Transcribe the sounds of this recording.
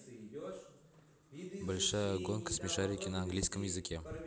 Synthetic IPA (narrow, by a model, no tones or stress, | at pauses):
bəlʃaɡonkə̥smʲiʃaɾʲekʲenaŋɡlʲijskəmjɪzɨkʲe